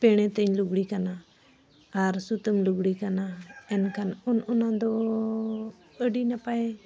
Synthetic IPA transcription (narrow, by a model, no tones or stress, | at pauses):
pɛɽ̃ɛt̪əɲluɡɽikanaː | ɾsut̪əmluɡɽikanaɛnkʰanɔnɔnad̪ɔ | əɖinapaɛ